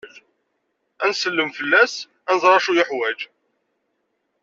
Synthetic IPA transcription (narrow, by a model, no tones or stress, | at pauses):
ænsəlːəmfəlːæs | ænəzˤɾˤɑʃujəħwæd͡ʒ